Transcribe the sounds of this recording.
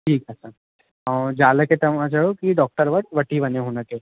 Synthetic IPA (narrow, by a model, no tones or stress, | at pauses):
ʈʰiːkɐsã | ad͡ʒaːləket̪ɐmãt͡ʃɐɭokiɖɔːk̚ʈəɾʋəʈ̚ʋɐʈibɐneɦonəke